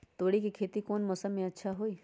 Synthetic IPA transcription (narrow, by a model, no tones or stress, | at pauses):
t̪oːɽikikʰeːt̪ikoːnmɔːsəmːẽɐtːʃʰaɦoːiː